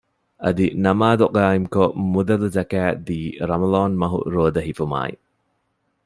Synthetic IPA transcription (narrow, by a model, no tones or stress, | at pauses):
ɐ̰d̪inɐmadɔk̚ajmkʰɔmudɐlzakadiɾɐmɐlɔnmɐɦṵʔ̚ɾodɐɦipʰuma̰j